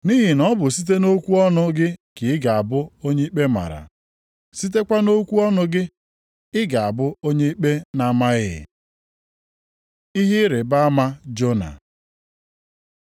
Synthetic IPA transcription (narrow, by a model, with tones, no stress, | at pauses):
ni˦ɦɪ˨nɔ˦bʊ˨si˦t̬e˦no˦kʷu˦ɔ˦nʊ˦ɡɪ˦kɪ˨ɪ˦ɡa˨a˨bʊ˦o˦ɲe˦i˦k͡pe˦ma̰˨ɾa̰˨ | si˦t̬e˦kʷa˦no˦kʷu˦ɔ˦nʊ˦ɡɪ˦ | ɪ˦ɡa˨a˨bʊ˦o˦ɲe˦i˦k͡pe˦na˨˦ma˦ɣɪ˦ɪ̰˨ | i˦ɦi˦ɾɪ˨ba˦a˦ma˦d͡ʒo˦na̰˨